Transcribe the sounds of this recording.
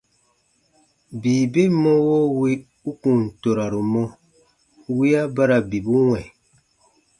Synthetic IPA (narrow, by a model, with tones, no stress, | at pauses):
biː˨be˦mɔ̃˦wo˦wi˦ | u˦kũ˨n̩˨to˨ɾa˨ɾu˨mɔ̃˦ | wi˦a˦ba˦ɾa˨bi˨bu˦wɛ̃˨